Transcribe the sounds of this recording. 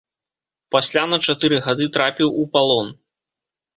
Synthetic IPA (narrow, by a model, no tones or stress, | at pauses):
pasʲlʲanɐt͡ʂat̪ɨɾɨɣad̪ɨt̪ɾapʲiwupalˠɔn